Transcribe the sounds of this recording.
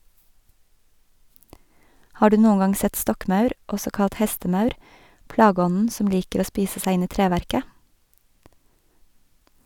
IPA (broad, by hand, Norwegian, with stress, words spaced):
ˈhɑː ˈɽʉː ˈnuːə ˈŋɑŋ ˈsɛt ˈstɔkˌmɑʉɾ ˈɔsɔ ˈkɑt ˈhɛstəˌmɑʉɾ ˈplɑːˌɡɔnn̩ ˈsɔm ˈliːkəɾ ˈoː ˈspiːsə ˈsæ ˈɪn ˈiː ˈtɾeːʋæɾkə